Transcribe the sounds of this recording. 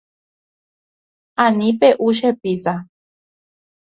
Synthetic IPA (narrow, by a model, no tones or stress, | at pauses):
ãnĩpeʔuʃ̬episa